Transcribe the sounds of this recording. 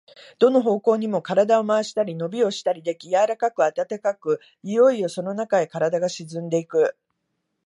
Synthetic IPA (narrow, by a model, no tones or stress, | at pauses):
d̪̥o̞no̞ɦo̞ːko̞ːɲ̟imo̞kaɾad̪ao̞maːɕi̥t̪aɾʲino̞bʲio̞ɕi̥t̪aɾʲid̪e̞kʲijaɾakakɯ̟at̪at̪akakɯ̟ | ijo̞io̞so̞no̞nakaekaɾad̪aɡaɕizɨ̃nd̪e̞ikɯ̟